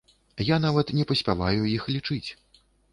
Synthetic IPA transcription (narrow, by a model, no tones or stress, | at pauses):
janavɐt̪nʲɛpɐsʲpʲalˠajujixlʲit͡ʂɨt͡sʲ